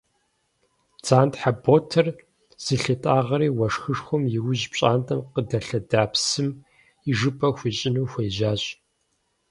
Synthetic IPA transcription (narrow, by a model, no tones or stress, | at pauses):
t͡saːntħaboːtʰɐr | z̥ɨɬɨtʼaːʁɐɾiːwɐʂxɨʂxʷʊmjɪwʊʑpɕʼaːntʼɐmqədɐɬɐdaːpsɨm | iʐɨpʰʼɐxʷiɕʼɪnuːxʷeːʑaːɕʼ